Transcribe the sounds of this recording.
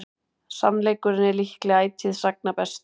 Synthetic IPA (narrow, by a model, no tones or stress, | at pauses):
samlejkʏɾɪnːɛlihklɛaːjt̪ʰiðsak̚napɛst̪